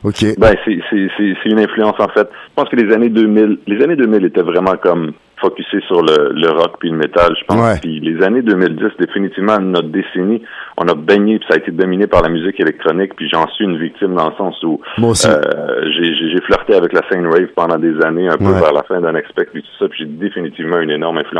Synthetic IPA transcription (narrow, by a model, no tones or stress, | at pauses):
okʲebɛ̃sɛsɛsɛsɛynɛ̃flyɑ̃sɑ̃fɛt̪̚ʒə̥pɑ̃skəlezaned̪øːmɪllezaned̪ømɪlet̪ɛvʁɛmɑ̃kɔm | fɔkʲysesyʁlələʁɔkpɥiləmet̪alʒə̥pɑ̃spilezaned̪ømɪld̪ɪsd̪efinit̪ivmɑ̃nɔt̪d̪eseniɔ̰̃nabɛɲepi̥saːet̪ed̪ɔminepaʁlamyzɪkelɛk̚t̪χɔnɪkpiʒeɑ̃sɥiynvik̚t̪ɪmd̪ɑ̃ləsɑ̃suø̰ʒeʒeʒeflœʁt̪eavɛklasɛ̃nwɛv̥pɑ̃d̪ɑ̃d̪ezaneœ̃pøvɛʁla̰fɛ̃d̪ɛ̃nɛkspɛk̪̚pit̪u̥sapiʒed̪efinit̪ivmɑ̃ynenɔʁmɛ̃flyɑ̃s